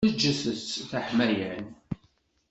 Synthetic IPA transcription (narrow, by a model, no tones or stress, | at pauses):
əd͡ʒːəθət͡sːθaħmæjæn